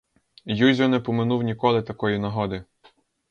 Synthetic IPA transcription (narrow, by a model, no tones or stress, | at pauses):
juzʲɔnɛpɔmɪnuwnʲikɔlˠɪt̪ɐkɔjinɐɦɔd̪ɪ